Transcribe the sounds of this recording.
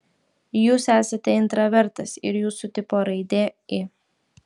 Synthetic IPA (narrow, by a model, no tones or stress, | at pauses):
juːsæːsɐt̪ʲɛɪnt̪ɾɐʋʲɛɾt̪ɐsɪ̰ɾjuːsʊt̪ʲɪpoːɾɐɪd̪ʲeːɪ